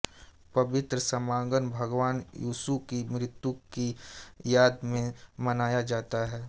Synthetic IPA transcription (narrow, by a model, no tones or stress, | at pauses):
pɐʋɪt̪ɾəsɐmãːɡənbʱɐɡʋaːnjuːsukimɾɪt̪jukijaːd̪mẽmɐnaːjad͡ʒaːt̪aɦɛː